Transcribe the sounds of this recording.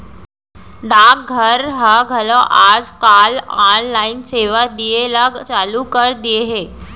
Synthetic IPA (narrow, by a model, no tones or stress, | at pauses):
ɖãk̚ɡʱəɾɦəɡʱəlõʔaːd͡zkalanlaːinseːʋad̪ijeləɡt͡ɕaːlukəɾd̪ijeɦeː